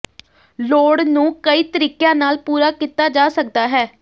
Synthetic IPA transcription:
loːɽnũːkəiːt̪əɾiːkejãːnaːlpuːɾaːkiːt̪aːd͡ʒaːsək̚d̪aːɦɛː

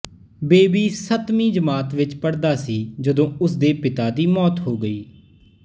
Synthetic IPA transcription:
beːbiːsət̪mĩːd͡ʒəmaːt̪ʋɪt͡ʃpəɽd̪aːsiːd͡ʒəd̪õːʊsd̪eːpɪt̪aːd̪iːmɔːt̪ɦoːɡəiː

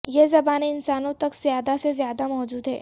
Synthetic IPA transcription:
jeːzɐbaːniɪnsaːnõt̪ɐkz̥jaːd̪asezjaːd̪amɔːd͡ʒuːd̪ɦɛ̰ː

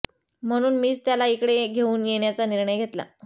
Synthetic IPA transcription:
m̤əɽ̃uːnmiːt͡st̪jalaikɽeɡʱeuːnjeɳjat͡saniɾɳəjɡʱet̪la̰

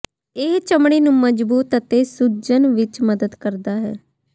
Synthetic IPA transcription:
et͡ʃəmɽ̃iːnũːməd͡ʒbuːt̪ət̪eːsud͡ʒənʋɪt͡ʃməd̪əd̪kəɾd̪aːɦɛ̰ː

